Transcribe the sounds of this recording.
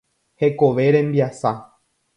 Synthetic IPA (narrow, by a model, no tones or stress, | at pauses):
he̞ko̞ʋe̞ɾẽ̞mbiasa